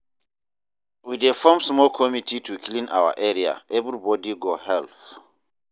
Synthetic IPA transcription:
widefɔmsmɔlkʰɔmitʰitʰukʰlĩnʔa̰wa̰ʔɛɹia̰ʔɛvɹibɔdiɡɔhɛlθ

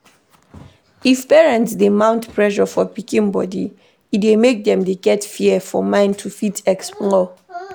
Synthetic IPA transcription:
ifpɛɹɛ̃ntsdemãʊ̃ntpʰɹɛʃɔfɔpikĩnbɔdḭ | idemek̚dɛ̃mdeɡɛtfiɛfɔmãɪ̃ntʰufitɛksplɔ

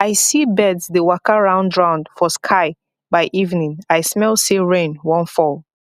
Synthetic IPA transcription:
aɪsibɛdzdewakəɹãʊ̃ndɹãʊ̃nd̥fɔskʰaɪ | baɪʔivnĩŋaɪsmɛlˠsiɹẽnwɔ̃nfɔlˠ

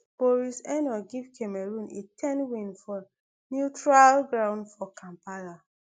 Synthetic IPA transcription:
b̥oɹisɛ̃nɔɡivkʰemɛɹũnetʰɛ̃nwĩnfɔ | njutɹalɡɹãʊ̃ndfɔkʰãmpala

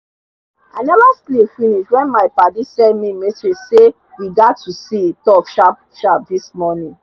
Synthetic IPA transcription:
aɪnɛvaslifiniʃwɛ̃nmaɪpadisɛmimisɹise | jiɡatʰusitɔpʃap̚ | ʃap̚dismɔnĩ

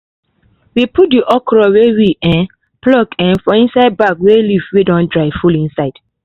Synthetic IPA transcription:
wiput̚diʔɔkɹɔwewiʔɛ̃n | plɔkɛ̃nfɔ̃ĩnsaɪd̚bakwelivwidɔ̃ndɹaɪfulĩnsaɪd̥

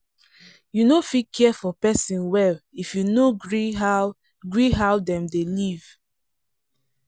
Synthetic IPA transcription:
junofikʰɛfɔpɛsĩnwɛlifjunoɹia | ɡɹiɦaʊdɛ̃mdeliv̥

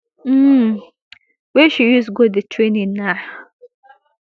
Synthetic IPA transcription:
m̩ | wɛʃijusɡodetʰɹenĩna

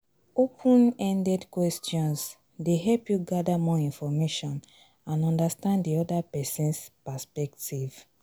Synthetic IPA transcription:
opʰũnɛ̃ndɛdkwɛstjɔ̃ns | deɦɛlpjuɡadamɔĩnfɔmeʃɔ̃n | ãnɔ̃ndastãndiɔdapɛsɛ̃nspaspɛktʰiv̥

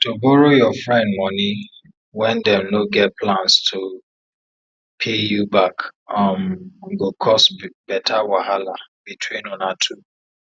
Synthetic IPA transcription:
tobɔɹojɔfɹɛ̃ndmɔni | wɛ̃ndɛ̃mnoɡɛt̚pʰlãnstʰo | pʰejubakamɡokʰɔsbɛtʰawahalabitʰwĩnɔ̃natʰu

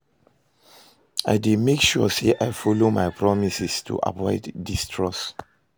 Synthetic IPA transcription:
a̰ɪdemekʃuɔseʔaɪfɔlomaɪpʰɹɔmisistʰṵʔa̰vɔɪddistʰɹɔs

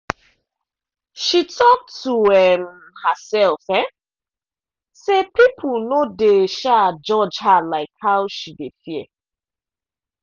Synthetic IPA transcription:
ʃitʰɔk̚tʰuɛm | həsɛlfɛ | sepip̩ʰnodeʃad͡ʒɔd͡ʒhalaɪkhaʊʃidefiḛ

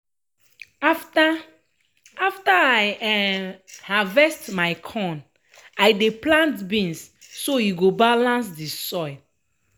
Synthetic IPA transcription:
afta | aftaajɛ | havɛstmajkʰɔ̃n | ajdeplãntbĩnsː | ojiɡobalãns̬disɔɪ

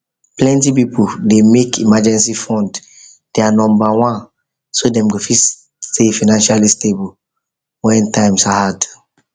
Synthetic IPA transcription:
plɛ̃ntip̬ipudemekʰimad͡ʒɛ̃nsifɔ̃nd | d̥ɛanɔ̃mbawãn | sodɛ̃mɡofis | tefanãnʃalistebul | wɛ̃ntãɪ̃msahad

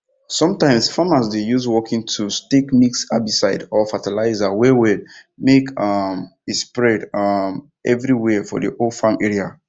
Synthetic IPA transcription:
sɔ̃mtãɪ̃msfamasdejuzwɔkĩŋtʰustekmiksa̰bisaɪdɔfatalaɪzawɛwid | mekmespɹɛdʌm | ʔɛvɹiwɛfɔ̰dḭʔofãnɛɹia

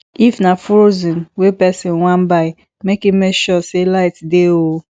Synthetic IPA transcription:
ifnafɾozĩnwepɛsĩnwãm̩baɪ | mekimeʃɔselaɪtdeo

